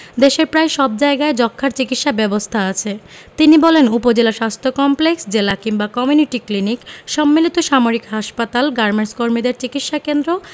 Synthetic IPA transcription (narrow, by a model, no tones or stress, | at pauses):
d̪eʃeɾpɾaeʃɔb̚d͡ʑaeɡaed͡ʑɔkʰːaɾt͡ɕikit̪ʃabɛbost̪ʰaat͡ɕʰet̪inibɔlenupod͡ʑelaʃast̪ʰokɔmpleksd͡ʑelakiŋbakɔmiuniʈiklinikʃɔmːilit̪oʃamoɾikɦaʃpat̪alɡaɾmeɳskoɾmid̪eɾt͡ɕikit̪ʃakend̪ɾo